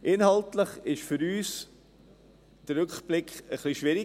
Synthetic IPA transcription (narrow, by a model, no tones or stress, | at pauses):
ʔɪnhɑltləχɪʃfʏɾyːs | d̥əɾɾʏkb̥lɪkχəχliʃʋɪɾi